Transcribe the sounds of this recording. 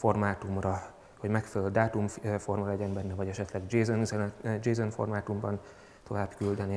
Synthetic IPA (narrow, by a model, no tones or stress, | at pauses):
fo̞rmaːt̪umrɒ | ho̞ɟmɛkfɛlɛld̪aːt̪umfo̞rmɒlɛɟɛnbɛnːɛvɒɟɛʃɛt̪lɛɡd͡ʒeːzonisɛnd͡ʒeːzonfo̰rmaːt̪umbɒn | t̪o̞vaːbkyld̪ɛne